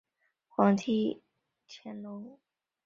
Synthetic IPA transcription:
xwɑ˧˥ŋt̪ʰi˥ | t͡ɕʰɛ˥nlʊ˥ŋ

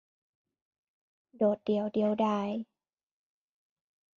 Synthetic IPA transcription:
doː˨˩t̪̚di˨˩˦əwdi˨˩əwdaː˧˩j

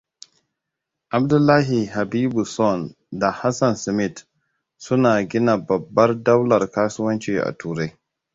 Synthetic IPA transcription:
ʔa˨b̚dʊ˦lːaː˦ɦi˨ɦa˨biː˦bu˨sɔ˦˨n | da˨ha˦sɐ˨nsmɪ˦˨t | sʊ˦naː˨ɡʲɪ˦na˨bɐ˨bːɐ˦rda˦wlɐ˨rkaː˦sʊ˦wɐ˦nt͡ʃeː˨ʔa̰˨tuː˨ɾa˦j

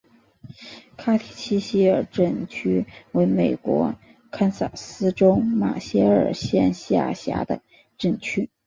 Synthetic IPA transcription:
kʰa˥t̪ʰi˨˩t͡ɕʰi˥ɕi˥ə˞˨˩ʈ͡ʂə˥˩˧nt͡ɕʰy˥we˧˥ɪme˨˩ɪkwɔ̰˧˥ | kʰa˥nsa˨˩sɹ̩˥ʈ͡ʂʊ˥ʊma̰˨˩ɕjɛ˥ə̰˞˨˩ɕjɛ˥˧nɕi˥a̰˥˩ɕja̰˧˥d̪ə̰˧ | ʈ͡ʂə˥˧nt͡ɕʰy˥

